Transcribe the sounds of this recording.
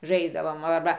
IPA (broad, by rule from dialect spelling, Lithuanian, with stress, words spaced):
ˈʒɐɪzdɐʋoːm ɐrˈbɐ